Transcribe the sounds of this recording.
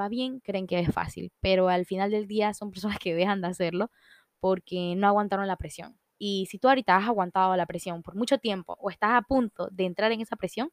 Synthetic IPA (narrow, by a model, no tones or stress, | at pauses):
aβje̞ŋkɾe̞ːŋke̞esfa̰sḭlpe̞ɾo̞alfinald̪e̞ld̪iasompe̞ɾsonaske̞ðe̞xand̪ease̞ɾlo̞ | po̞ɾke̞no̞aɣwant̪aɾo̞ŋlapɾe̞sjo̞̰ŋ | isit̪uaoɾit̪aasaɣwant̪aðolapɾesjo̞mpo̞ɾmut͡ʃo̞t̪je̞mpo̞̰ʔoe̞st̪asapunt̪o̞ðe̞ːnt̪ɾaɾeŋe̞sapɾesjo̞ŋ